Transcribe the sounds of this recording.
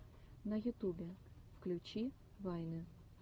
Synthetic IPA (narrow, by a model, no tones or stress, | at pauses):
nɐjut̪ubʲɛfklʲut͡ɕi | vajnɨ